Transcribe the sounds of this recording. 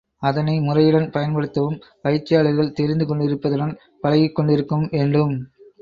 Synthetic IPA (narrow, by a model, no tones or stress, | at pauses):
ɐðɐnɐɪmʊrɐjɪɽɐnpɐjɐnpɐɽɯt̪ːɐʋɯmpɐɪt͡ʃːɪjaːɭɯɾɣɐɭt̪ɛɾɪnd̪ɯkɔɳɖɪɾɯpːɐðɯɽɐn | pɐlɐɣɪkːɔɳɖɪɾɯkːɯmʋeːɳɖɯm